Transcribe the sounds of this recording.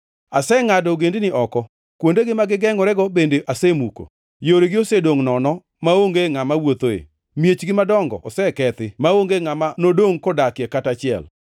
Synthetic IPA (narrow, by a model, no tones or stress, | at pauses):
asɛŋadɔɡendɪnɪʔɔkɔ | kwondeɡɪmaɡɪɡɛŋɔɾɛɡɔbendeʔasemuko̰ | joɾeɡɪosedoŋnɔnɔ | maoŋɡeŋamawot̪oḛ | mjet͡ʃɡɪmadɔŋɡɔ̰ɔsɛkɛt̪ɪmaoŋɡeŋamanodoŋkodakjɛkatat͡ʃɪɛ̰l